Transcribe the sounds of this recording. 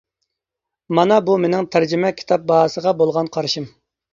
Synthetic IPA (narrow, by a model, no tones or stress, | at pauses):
mɑnɑbumenɪŋt̪ʰæɾd͡ʒɪmɛkʲʰi̥t̪ʰɑp̚bɑɦɑsəʁɑbolˠʁɑnqʰɑɾʃɨm